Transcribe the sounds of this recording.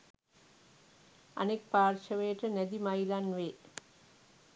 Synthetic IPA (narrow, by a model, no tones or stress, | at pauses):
ɐ̰nek̚paːrʃɐʋəjəʈənæd̪imɐilanʋeː